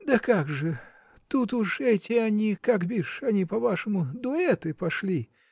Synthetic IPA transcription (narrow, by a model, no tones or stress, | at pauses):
d̪ɐkaɡʐɨ | t̪ut̪uʂɛtʲɪanʲikakbʲiʂɐnʲipɐvaʂɨmʊd̪ʊɛt̪ɨpɐʂlʲi